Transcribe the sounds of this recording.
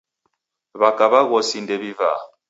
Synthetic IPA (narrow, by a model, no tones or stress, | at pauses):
βakʼaβaɣɔsindɛβiva̰